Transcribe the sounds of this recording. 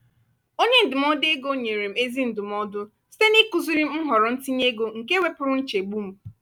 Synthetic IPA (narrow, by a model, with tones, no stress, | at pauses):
o˦ɲe˦n̩˨dʊ˨m̩ɔ˦de˦ɡo˦ɲe˨ɾe˨m̩˨˦e˦zi˦n̩˨dʊ˨m˦ɔ˦dʊ˦ | si̥˦te˦ni˦ku˨zu˦ɾi˦m̩˦m̩˦ɦɔ˨ɾɔ˨n̩˦ti˦ɲe˦ɡo˨ŋ̩˨ke˦we˦pʊ˨˦ɾʊ˦n̩˦t͡ʃe˨ɡ͡bu˦m̩˦